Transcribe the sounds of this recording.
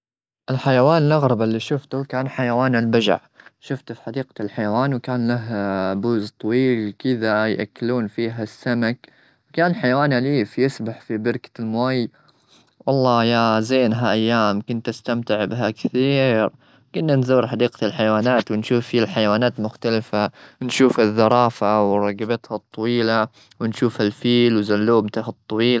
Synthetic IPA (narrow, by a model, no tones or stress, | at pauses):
ʔɪlħajawaːnɪlʔɑɣɾˤɑbalːiʃʊft̪ʊkaːnħajawaːnɪlbad͡ʒa̰ʕʃʊft̪fi̥ħad̪iːqlħajawaːnwkaːnlaɦbuːzt̪ˤɑwiːlkɪðajʔa̰kːluːnfiːɦasːamak | wkaːnħajawaːnaliːfjɪsbaħfibɪɾkḁlmʊaj | wʔɑlˤːɑːjazeːnɦaʔajːaːmkʊnt̪ʔast̪amt̪ɪʕbɪɦakɪθiːɾ | kʊnːanzuːɾħad̪iːq̪ɪlħajwaːnaːt̪wɪnʃuːfːialħajwaːnaːt̪mʊxt̪alfanʃuːfhaðːɑɾˤɑːfawɾˤɑɡabat̪hɑt̪ˤːɑwiːla | wɪnʃuːfhalfiːlwzalːuːmt̪ahɨt̪ˤːɑwiːl